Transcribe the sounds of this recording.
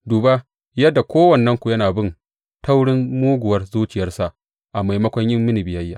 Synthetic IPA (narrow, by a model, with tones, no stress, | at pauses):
duː˨ba˦ | jɐ˦dːa˨kʷoː˦wɐ˨nːɐ˦ŋkʷu˨jɐ˦naː˨bɪ˦n | ta˦wɽɪ˦mmuː˦ɡʷʊ˨wɐ˦rzuː˦t͡ʃɪ˨jɐ˦rsa˨ʔ | ʔa˨ma˨jmɐ˦kʷɐ˦ɲjɪ˦mːɪ˦ni˨bɪ˨jɐ˦jːaː˨